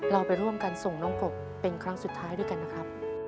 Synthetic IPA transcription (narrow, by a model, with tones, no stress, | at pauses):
ɾa˧wpa˧jɾu˥˩əmkaː˧nso˨˩ŋnɔː˦˥ŋko˨˩k̚ | pe˧nkʰɾa˦˥ŋsu˨˩t̪ʰːaː˦˥jduː˧˥˩jka˧nːa˦˥kʰɾa˦˥p̚